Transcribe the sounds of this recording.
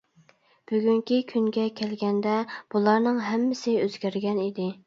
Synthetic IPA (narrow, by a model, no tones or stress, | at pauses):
b̥yɡʲyŋkʲikʲʰyŋɡʲɛkʲʰɛlɡʲɛnd̪ɛb̥ulˠɑɾnɨŋɦɛmːɪsɪøz̥ɡʲæɾɡʲɛnid̪ɪ